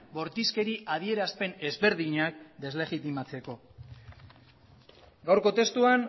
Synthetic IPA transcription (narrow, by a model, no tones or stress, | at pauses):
bo̞ɾt̪iske̞ɾiʔað̞ie̞ɾaspe̞ne̞zβe̞ɾðiɲak̚d̪e̞zle̞ɣit̪imat͡se̞ko̞ | ɡawɾko̞t̪e̞st̪uaŋ